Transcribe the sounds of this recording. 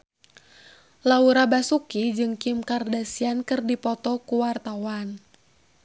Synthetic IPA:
lauɾabasukid͡ʒɨŋkimkardasiankɨrdipɔt̪ɔkuwart̪awan

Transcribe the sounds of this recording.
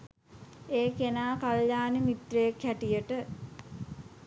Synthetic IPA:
eːkenaːkaljaːnimit̪reekːæʈijəʈə

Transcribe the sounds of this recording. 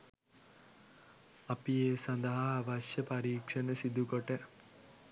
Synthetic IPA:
ɐpieːsɐnd̪ɐɦaʋɐʃjɐpɐɾiːkʂɐnəsid̪ukoʈe

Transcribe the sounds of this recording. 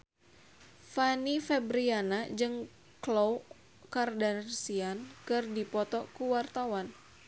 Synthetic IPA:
fanifɛbɾianad͡ʒɨŋ | klow | kardansiankɨrdipɔt̪ɔkuwart̪awan

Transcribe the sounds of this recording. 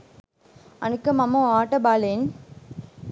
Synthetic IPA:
ɐnɯkːɯmɐmːõaːʈːɐbaːlen

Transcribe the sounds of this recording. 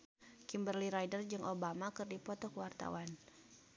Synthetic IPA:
kimbərliɾajdərd͡ʒɨŋʔobamakɨrdipɔt̪ɔkəwart̪a̰wan

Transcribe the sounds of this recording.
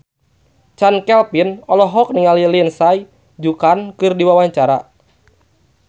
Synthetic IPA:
t͡ʃankɛlpinɔlɔɦɔk̚niŋalilinsaj | d͡ʒukankɨrdiwawaɲt͡ʃaɾa

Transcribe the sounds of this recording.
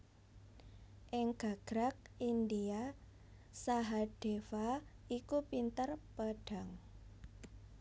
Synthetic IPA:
ʔɪŋɡ̥a̤ɡ̥ɾak̚india | saɦaɖ̥efaikupint̪ərpaɖ̥a̤ŋ

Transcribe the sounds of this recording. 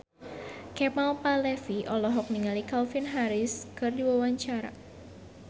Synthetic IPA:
kɛmalpalɛfiʔɔlɔɦɔk̚niŋalikalfinɦaɾɪskɨrdiwawaɲt͡ʃaɾa̰

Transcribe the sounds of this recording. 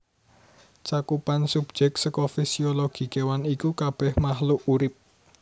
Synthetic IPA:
t͡ʃakupansub̥̚d͡ʒ̥ɛk̚səkɔfisioloɡ̥i̤kewanikukab̥ɛhmahluʔuɾɪp̚

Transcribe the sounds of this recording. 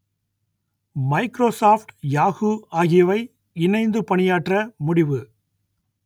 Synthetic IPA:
mɐɪkɾoːsaːfʈjaːɣuaːɣɪjɐʋɐɪ | ɪnɐɪnd̪ɯpɐɳɪjaːʈrɐmʊɽɪʋɯ

